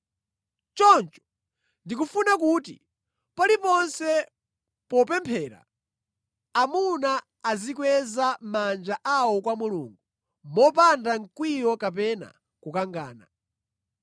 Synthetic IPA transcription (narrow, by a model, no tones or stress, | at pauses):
t͡ʃɔnt͡ʃɔ̥ | ndik̬ufunak̬utḭ | palipɔnsɛ | pɔpɛmpʰɛːɾa̰ | munaː | zikwɛzamand͡ʒaʔawɔkwamulṵːŋɡu | mɔpandaŋkwijɔkap̬ɛna̰ | kukaŋɡaːna̰